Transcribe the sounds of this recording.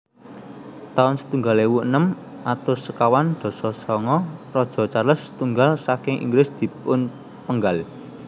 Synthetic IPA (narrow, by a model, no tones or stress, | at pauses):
t̪aʊnsə̥t̪uŋɡalewuʔnəm | ʔat̪ʊsəkawand̪̥ɔ̤sɔsɔŋɔrɔd̥ʒ̥ɔ̤t͡ʃarləsːə̥t̪uŋɡalsakɪŋʔḭŋɡlɪsd̪̥i̤pʊn | pəŋɡal